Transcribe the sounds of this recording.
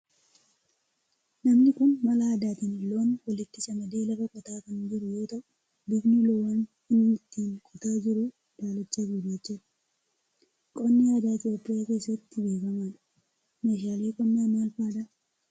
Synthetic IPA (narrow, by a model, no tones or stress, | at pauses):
nɐmnɪkʊnmɐlaːd̪aːt̪ɪnɪloːnwɐlɪt̪ːɪsɐmɐd̪e̞ːlɐbɐkʼɔt̪aːkɐnd͡ʒɪɾʊjo̞ːt̪ɐʔʊ | bɪɡnʊloːwan | ɪnmɪt̪ːiːŋkʼɔt̪aːd͡ʒɪɾʊ | d̪̥aːlɐt͡ʃːɐɡiːbɐt͡ʃːɪᶑɐ̥ | kʼɔnːɪɐd̪aːt̪ɪjoːpːɪjaːke̞ːsːɐt̪ːɪbe̞ːkɐmaᶑɐ̥ | meːʃaːle̞ːkʼɔnːaːnaːlfaːᶑɐʔ